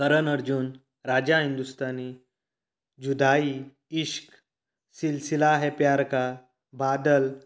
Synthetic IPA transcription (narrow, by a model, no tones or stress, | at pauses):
kəɾənəɾd͡ʑuːn | ɾad͡ʑaɦind̪ust̪ani | d͡ʑud̪ai | iɕk | silsilaɦɛpjaɾka | bad̪əl